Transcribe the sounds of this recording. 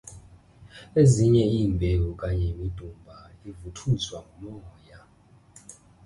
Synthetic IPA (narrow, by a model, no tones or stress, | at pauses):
eziɲɛiːmbʱewukʼaɲɛimid̥ʱumbʱaivutʰuzwaŋumɔːja